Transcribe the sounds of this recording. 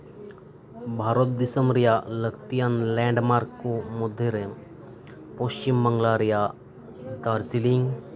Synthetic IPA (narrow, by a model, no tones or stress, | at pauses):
bʱaːɾot̪̚d̪ɪsəmɾijaləkt̪ijənlɛ̃ːɳɖmaːɾkkːomʊd̪ʱːeɾe | post͡ʃimbəŋɡlaːɾija | d̪aːɾzilĩŋɡ